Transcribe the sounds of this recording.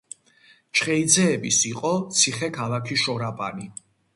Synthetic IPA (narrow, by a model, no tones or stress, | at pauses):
t͡ʃʰχɛid̪zɛːbisiqʼɔt̪sʰiχɛkʰalakʰiʃɔɾapʼa̰ni